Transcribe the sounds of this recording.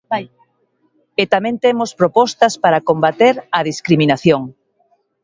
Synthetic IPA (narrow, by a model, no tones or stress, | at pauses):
et̪amɛ̃nt̪emospɾopɔst̪ɐspaɾakombat̪eɾɐðiskɾiminaθjoŋ